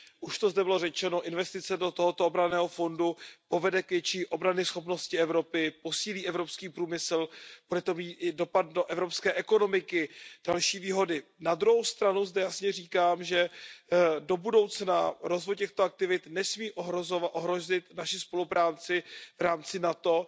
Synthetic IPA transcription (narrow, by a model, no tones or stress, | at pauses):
ʔuʃt̪o̞zdɛbɪlo̞rɛt͡ʃɛnoʔɪnvɛst̪ɪt͡sɛdo̞t̪oɦot̪oobɾanɛːɦo̞fo̞ndupo̞vɛdɛkvjɛt͡ʃiːʔo̞bɾanɪsxo̞pno̞scɪɛvɾo̞pɪpo̞siːliːʔɛvɾo̞pskiːpɾuːmɪsl̩b̥udɛt̪o̞miːt̪ʔɪdo̞pat̪̚doʔɛvɾo̞pskɛːʔɛko̞no̞mɪkɪd̥alʃiːviːɦo̞dɪnad̪ɾuɦowst̪ɾanuzdɛjasɲɛriːkaːmʒɛ | do̞budo̞wt͡snaɾo̞zvojcɛxt̪oak̚t̪ɪvɪt̪nɛsmiːʔoɦɾozovaʔoɦɾozɪt̪naʃɪspo̞lupɾaːt͡sɪvɾaːmt͡sɪnat̪o̞